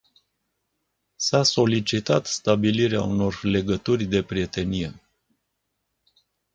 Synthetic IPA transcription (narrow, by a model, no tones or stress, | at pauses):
saso̞lit͡ʃit̪at̪st̪abiliɾea̰uno̞rle̞ɡət̪urʲd̪e̞pɾie̞t̪e̞nije̞